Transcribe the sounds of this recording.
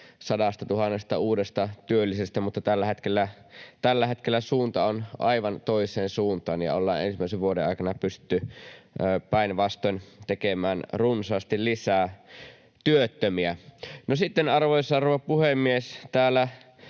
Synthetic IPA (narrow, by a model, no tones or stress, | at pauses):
sɑdɑst̪ɑt̪uhɑnːest̪ɑuːdest̪ɑt̪yølːisest̪æmut̪ːɑt̪ælːæhet̪kelːæ | t̪ælːæhet̪kelːæsuːnt̪ɑonʔɑ̰iʋɑnt̪oisˑeːnsuːnt̪ˑɑ̰ːnjɑ̰o̰lːɑ̰ːnʔḛnsimːˑæˑiseʋʋuodḛɑ̰ˑikɑnɑpystt̪ːyː | pæˑinʋɑst̪ont̪ekemæːnrunsɑːst̪illisæː | t̪yøt̪ːømiænosit̪ːenɑrʋojsɑːroʋɑpuhemːiest̪æːlːˑæ